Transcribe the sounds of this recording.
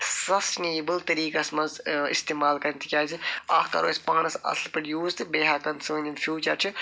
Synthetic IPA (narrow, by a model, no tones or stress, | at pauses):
sɐsneːbɨlt̪ɐɾiːkɐsmɐnzḭst̪eːmaːlkɐɾnt̪ʰi̥kʲaːziaːxkɐ̰ɾo̰ːsʲpãːnɐsɐ̰slpɾɐɖjuːzt̪ɨbeːɦaːkɐnsuːnʲinfjuːt͡ʃɐɾt͡ʃʰɨ